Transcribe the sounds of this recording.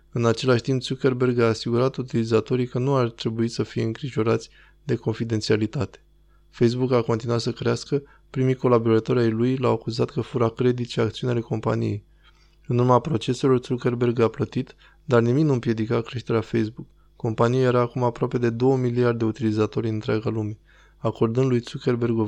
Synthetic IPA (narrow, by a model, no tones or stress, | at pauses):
ɨnat͡ʃe̞laʃt̪impt̪suke̞rbe̞rɡaːsiɡuɾat̪ut̪ilizat̪o̞ɾijkənuart̪ɾe̞buit̪səfije̞ɨŋkɾiʒo̞ɾat̪sʲ | d̪e̞ko̞nfid̪e̞nt̪sialit̪at̪e̥ | fejs̬bukako̞nt̪inuwat̪səkɾeaskə | pɾimiko̞labo̞ɾat̪o̞ɾʲajlujlawakuzat̪kəfuɾakɾe̞d̪it̪ʃeak̚t̪siunale̞ko̞mpa̰nḭje̞̰j | ɨnurmapɾo̞t͡ʃe̞se̞lo̞rt̪suke̞rbe̞rɡaplət̪it̪ | d̪arnimiknuɨmpje̞d̪ikakɾe̞ʃt̪e̞ɾeafejsbukː | o̞mpanijaje̞ɾaːkumapɾoape̞d̪e̞d̪o̞wəmiliard̪d̪e̞ut̪ilizat̪o̞ɾʲɨnt̪ɾeaɡalume̞ | ako̞rd̪ɨnd̪lujt̪sukʲe̞rbe̞rɡo